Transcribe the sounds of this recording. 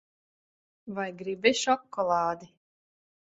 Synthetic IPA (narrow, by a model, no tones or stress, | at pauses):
vajɡɾibɛʃɔkːɔlˠɑːd̪i